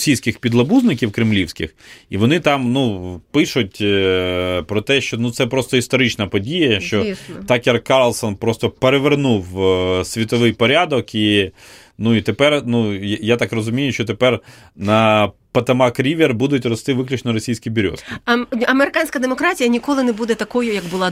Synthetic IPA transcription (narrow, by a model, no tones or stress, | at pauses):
sʲijsʲkɪxpʲid̪lˠɐbuznɪkʲiwkɾɪmlʲiwsʲkɪ̰xiʋɔnɪt̪ɑmnupɪʃʊt̚ʲ | pɾɔt̪ɛʃt͡ʃɔnut̪sɛpɾɔst̪ɔist̪ɔɾɪt͡ʃnɐpɔdʲijɐʃt͡ʃɔisnt̪ɑkjɐrkɑrlˠsɔnpɾɔst̪ɔpeɾeʋernuwsʲʋʲit̪ɔʋɪjpɔɾʲad̪ɔki | nuit̪epɛrnujjat̪ɑkrɔzʊmʲijʊʃt͡ʃɔt̪epɛr | nɐpɐt̪ɐmɑkɾʲiʋʲerbud̪ʊtʲrɔst̪ɪʋɪklʲʊt͡ʃnɔɾɔsʲijsʲkʲibʲʊɾʲɔ̰skɐmeɾɪkanʲsʲkɐd̪emɔkɾatʲijɐnʲikɔlˠɪnebud̪ɛt̪ɐkɔjʊjɐɡbʊlˠɑ